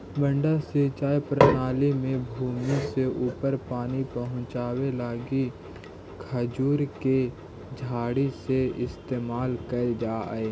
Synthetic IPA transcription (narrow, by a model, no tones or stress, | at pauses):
bə̃ɳɖasit͡ʃaːjpɾənaːlimẽbʱuːmiseʔuːpəɾpaːnipəɦʊ̃t͡ʃaːwelaːɡi | kʰəd͡ʒuːɾke | d͡ʒʱaːɽiseɪst̪eːmaːlkəed͡ʒaːeː